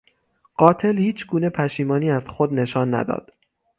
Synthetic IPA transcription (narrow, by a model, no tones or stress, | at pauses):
ɢ̥ɒːt̪ʰe̞lhiːt͡ʃʰɡuːne̞pʰæʃiːmɒːniːæzxod̪ne̞ʃɒːnːæ̰d̪ɒ̰ːd̪̥